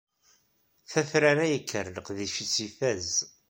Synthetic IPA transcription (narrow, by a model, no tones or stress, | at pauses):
θæθɾaɾæjəkʰːəɾləqðiʃit͡sːifæz